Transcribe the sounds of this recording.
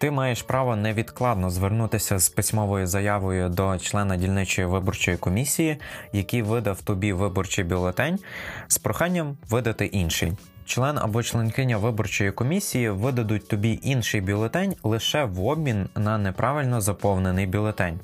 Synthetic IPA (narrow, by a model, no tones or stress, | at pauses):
t̪ɪmɑjeʃpɾɑʋɔnɛʋʲid̪klˠɑd̪nɔzʋernut̪ɪsʲɐz̥pɪsʲmɔʋɔjʊzɐjɑʋɔjʊd̪ɔt͡ʃlˠɛnɐdʲilʲnɪt͡ʃɔjiʋɪbɔrt͡ʃɔjikɔmʲisʲijijɐkijʋɪd̪ɐwt̪ɔbʲiʋɪbɔrt͡ʃɪjbʲilˠet̪ɛnʲspɾɔxɑnʲːɐmʋɪd̪ɐt̪ɪʔinʃɪ̰nʲ | t͡ʃlˠɛnɐ̰bɔt͡ʃlˠenʲkɪnʲɐʋɪbɔrt͡ʃɔjikɔmʲisʲijiʋɪd̪ɐd̪ʊt̚ʲt̪ɔbʲiʔinʃɪjbʲilˠet̪ɛnʲlˠɪʃɛʋɔbmʲinːɐnɛpɾʔɑʋɪlʲnɔzɐpɔwnenɪjbʲilˠet̪ɛnʲ